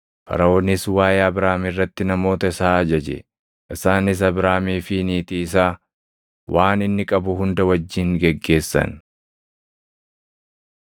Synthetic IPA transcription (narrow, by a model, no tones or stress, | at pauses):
fɐ̰ɾɐonɪswaːjaɐbɾaːmɪrːɐt̪ːɪnɐmo̞ːt̪ɐɪsaːɐd͡ʒɐd͡ʒɛ̰ | ʔɪsaːnɪs̬ɐbɾaːmiːfɪniːt̪iːsaː | waːnɪnːɪkʼɐbʊɦʊnd̪ɐwɐd͡ʒːɪŋɡɛɡːe̞ːsːɐ̰n